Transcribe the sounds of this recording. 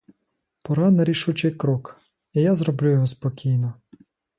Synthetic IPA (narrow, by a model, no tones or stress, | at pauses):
pɔɾɑnɐɾʲiʃut͡ʃɪjkɾɔk | ijazɾɔblʲujɔɦɔspɔkʲijnɔ